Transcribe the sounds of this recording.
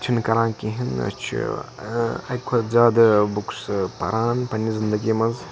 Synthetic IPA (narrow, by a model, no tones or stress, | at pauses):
t͡ʃʰinkɐɾãːnkiɦinɐ̰t͡ʃʰḭ | ɐ̰kʰɐzʲaːd̪bukspɐ̰ɾaːnpɐnːizind̪ɐɡimɐz